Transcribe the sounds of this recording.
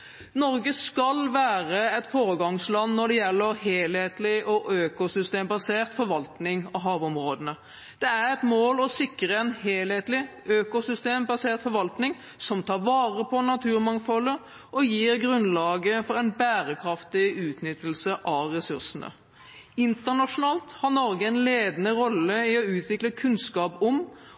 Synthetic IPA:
nɔɾɡəskɑlʋæːɾəɛt̪foːɾəɡɑŋslɑnːɔɖɛjɛlːəɾɦeːlheːt̪lɪʔɔʔøːkʊsʏst̪eːmbɑseːʁt̪fɔɾʋɑlt̪nɪŋɔɦɑːʋɔmɾoːd̪ənə | d̪̥ɛæɾɛt̪moːlɔsɪkːɾəɛnheːlheːt̪lɪ | øːkʊsʏst̪eːmbɑseːʁt̪fɔɾʋɑlt̪nɪŋ | sɔmt̪ʰɑːɾʋɑːʁəpʰɔnɑt̪ʰʉːʁɾmɑŋfɔlə | ɔjiːʁɡɾʉnlɑːɡəfɔʁɛnbæːɾəkʰɾɑft̪ɪʉːt̪nʏt̪ːəlsəʔɑʋʁɛsʉʁsənə̰ | ɪnt̪əʁnɑʂʊnɑːlt̪hɑʁnɔɾɡəɛɪnleːd̪ənəɾɔlːəɪɔʉːt̪ʰʋɪkləkʰʉnskɑːpɔm

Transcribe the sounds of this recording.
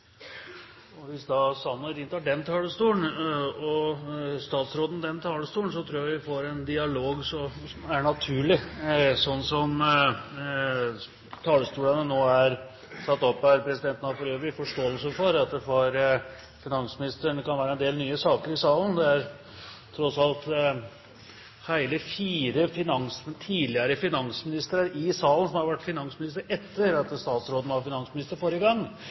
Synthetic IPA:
ɔʋɪsd̪ɑsɑnːəɾɪnt̪ʰɑɖɛnt̪ʰɑːləst̪uːnɔst̪ɑːt̪sɾoːd̪n̩d̪ɛnt̪ʰɑːləst̪uːəɳs̬ɔt̪ʰɾuːjɑɾʋɪfoːɾɛnd̪ɪɑloːɡsɔm | æɳɑt̪ʰʉːɭɪsɔnːsɔm | t̪ʰɑːləst̪uːlənənoːæɾ | sɑt̪ːɔpːæɾpʰɾɛsɪd̪ɛnt̪nɑfɔløːʋb̪ɪfɔʂʈoːəlsəfɔɾɑt̪̚d̪ɛfɔɾ | fɪnɑnsmɪnɪst̪ɾəɳkɑnʋæːɾəɛnd̪eːlnyːəsɑːkəɾɪsɑːlənd̪ɛæɾ | t̪ʰːɾɔsɑlt̪ | hæɪləfiːɾəfɪnɑŋsmt̪ʰiːlɪəɾəfɪnɑnsmɪnɪst̪əɾəɾɪsɑːlən̩sɔmhɑɾʋæʈːfɪnɑŋsmɪnɪs̬t̪əɾɛt̪ʰːəɾɑt̪st̪ɑːt̪sɾoːd̪n̩ʋɑfɪnɑnsmɪnɪst̪əɾfɔɾəɡɑŋː

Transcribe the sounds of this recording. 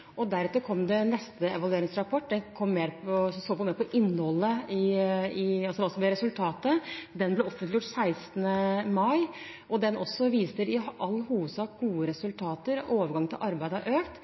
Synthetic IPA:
ʔɔd̪æɾʉːt̪əɾkʰɔmd̪ɛnɛst̪əɛʋɑlʉeːɾɪŋsɾɑpʰɔʈːd̪ɛnkʰɔmːeːɾpʰɔssoːpɔmeːɾpɔʔɪnːhɔlːəɪɪɑlsd̪ɛʋɑɾɔsɔmblɛɾɛsʉlt̪ʰɑːt̪əd̪ɛnblɛɔfənlɪjʊʈːsæɪst̪nəmɑɪ | ʔɔd̪ɛnʔɔsːɔʋiːsəɾɪʔɑlːhuːʋəd̪sɑːk̚ɡuːəɾɛsʉlt̪ʰɑːt̪əɾoːʋəɾɡɑŋɪlʔɑɾbæɪd̪əʔøːkt̪

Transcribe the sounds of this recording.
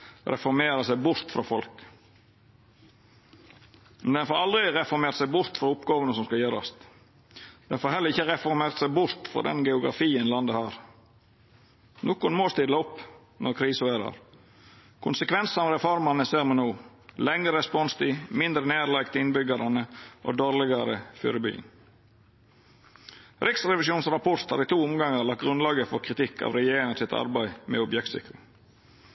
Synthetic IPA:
ɾɛ̰fɔɾmeːɾɑsæɪbʊɾt̪fɾɑ̰fɔlk | mɛnd̪ɛnfoːɾɑld̪ɾɪɾɛfɔɾmeːɾt̪sæɪbʊɾt̪fɾɑʊpɡɑːʋənəsɔmskɑljøːɾɑ̰st̪ | d̪ɛnfoːɾhɛləɾɪçəɾɛfɔɾmeːɾt̪sæɪbʊɾt̪fɾɑ̰d̪ɛ̰nɡɛʊɡɾɑ̰fiːənlɑnd̪əhɑːɾ | noːkʊnmoːst̪ɪd̪əʊpː | nɔɾkʰɾiːsəʋeːɾɑ̰ɾ | kʰʊnsəkʋɛnsnɑːɾɛfɔɾmɑnəseːɾmɛnuː | lɛŋəɾəspɔnst̪ʰɪmɪnd̪ɾəneːɾlɑɪkt̪əɪnbʏɡɑɾənəʔo̰ːd̪oːɾlɪɡɑɾəfy̰ːɾəby̰ːə̰n | ɾɪksɾɛʋɪʃjuːnsɾɑpʰɔɾt̪hɑ̰ːɾiːt̪ʰuːʊmɡɑŋəɾlɑkt̪̚ɡɾʉnlɑːɡəfɔɾkʰɾɪt̪ɪkʰːɑ̰ːʋɾɛjeːɾɪŋəsɪt̪ʰɑ̰ɾbæɪmɛ̰ːɔbjɛk̚t̪sɪ̰kːɾɪŋ

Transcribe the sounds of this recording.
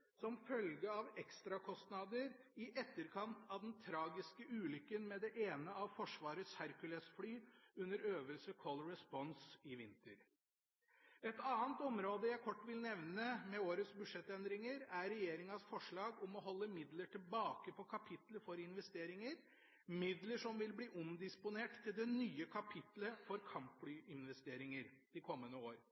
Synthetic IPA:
sɔmfœlɡəɑʋɛkst̪ɾɑkʰɔst̪nɑd̪əɾ | ɪʔɛt̪ːəɾkʰɑnt̪ʰɑʋd̪ɛnt̪ʰɾɑːɡɪskəʔʉːlʏkːənmɛd̪ɛʔeːnəɑʋfɔʂʋɑːɾətshæɾkʉlɛsflyːʉnːəɾøːʋəlsəkʰɔlɾɛspɔnsɪʋɪnt̪əɾ | ɛt̪ɑːnət̪ɔmɾoːd̪əjæɪkʰɔʈːʋɪlnɛʋnəmɛoːɾət̪sbʉʂɛt̪ːɛnd̪ɾɪŋəɾæɾɛjeːɾɪŋɑsfɔʂɭɑːɡʊmɔɦɔlːəmɪd̪ləʈʰɪlbɑːkəpʰɔkʰɑpʰɪt̪ləfɔɾɪnʋɛst̪eːɾɪŋəɾ | mɪd̪ləʂɔmʋɪlbliːʔʊmd̪ɪspʊneːʈt̪ʰːɪld̪ɛnyːəkʰɑpʰɪt̪ləfɔɾkʰɑmpflyːʔɪnʋɛst̪eːɾɪŋəɾd̪ɪkʰɔmːənəoːɾ

